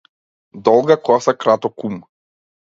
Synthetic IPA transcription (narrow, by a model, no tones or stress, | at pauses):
d̪ɔlˠɡakˠasakɾat̪ɔkum